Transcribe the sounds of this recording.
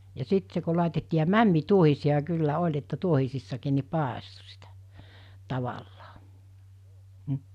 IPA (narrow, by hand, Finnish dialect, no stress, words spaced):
jɑ sit se ko lɑˑitetːiː jɑ mæmːituohisiɑ kylːæ olʲ etːæ tuohisisːɑkiːn ni pɑˑesto sitæ̥ tɑʋɑlːɑː m̩